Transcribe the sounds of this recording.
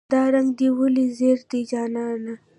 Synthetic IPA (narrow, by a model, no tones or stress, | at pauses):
d̪ɑɾaŋɡd̪iwəlizeɾd̪id͡ʒɑːnɑna